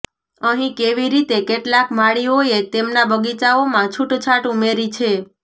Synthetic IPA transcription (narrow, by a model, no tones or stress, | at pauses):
əɦĩkeʋiɾit̪ekeʈlakmaɭioet̪emnabəɡit͡ʃaomãt͡ʃʰuʈt͡ʃʰaʈumeɾit͡ʃʰe